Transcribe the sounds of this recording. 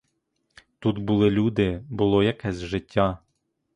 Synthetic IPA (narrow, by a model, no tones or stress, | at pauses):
t̪ut̪bulˠɪlʲud̪ɪbʊlˠɔjɐkɛsʲʒɪtʲːa